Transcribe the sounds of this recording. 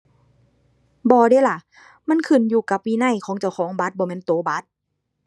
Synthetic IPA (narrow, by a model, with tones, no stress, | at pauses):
bɔː˧deː˧˦˨la˧˩˨ | ma˧˥˨nkʰɯ˧˩˨njuː˧˩ka˧˦p̚ːiː˧˨na˧˩˨jkʰɔː˨˦ŋt͡ɕa˧˩wkʰɔː˨˦ŋba˧˦t̪̚bɔː˧˨mɛː˧˥˨nt̪oː˧˦ba˧˦˥t̪̚